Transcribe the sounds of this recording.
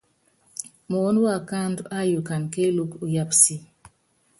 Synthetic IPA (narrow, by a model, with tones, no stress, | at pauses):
mɔ˨ɔ˦n˦wa˦˨ka˦nda˦ju˨ka˨nke˦lu˦ku˨ja˦psi˦